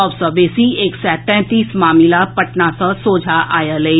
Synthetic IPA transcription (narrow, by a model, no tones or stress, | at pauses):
ɔʋsəʋeːsieːksɛːt̪ɛ̃t̪iːsmaːmɪlapɐʈnasãsoːd͡ʒʱaʔa̰ːjale